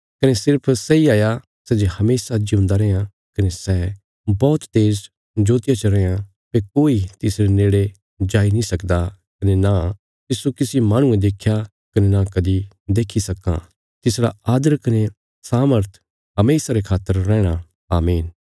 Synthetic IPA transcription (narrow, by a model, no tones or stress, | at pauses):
kɐnesɪɾpʰsɛiaːja | sɛd͡ʒehɐmeːsad͡ʒiʊ̃nd̪aɾɛã | kɐnesɛː | bɔːt̪t̪eːz | d͡ʒoːt̪ɪjat͡ʃɐɾɛ̃jã | pekoːit̪ɪsɾeneːɽe | d͡ʒaːinĩsɐkd̪akɐnena | t̪ɪsukɪsimaːɽ̃ũẽd̪eːkʰja | kɐnenakɐd̪i | d̪eːkʰisɐkːã̰ | t̪ɪsɽa̰aːd̪əɾkɐne | saːməɾt̪ʰ | ɦɐmeːsaɾekʰaːt̪ːəɾːɛ̃ːɽ̃a | aːmeːn